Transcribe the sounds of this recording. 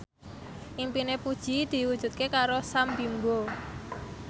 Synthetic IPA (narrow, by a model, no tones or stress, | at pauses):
ʔimpinepud̥ʒ̥i̤d̪̥i̤wud̥ʒ̥ṳt̪̚kekaɾosambimbo